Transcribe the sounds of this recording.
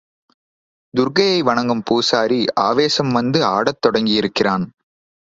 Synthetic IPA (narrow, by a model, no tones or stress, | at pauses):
d̪ʊɾɣɐjɐɪʋɐɳɐŋɡɯmpuːsaːɾiʔaːʋeːsɐmʋɐnd̪ɯaːɽɐt̪ːɔɽɐŋɡɪjɪɾɯkːɪraːn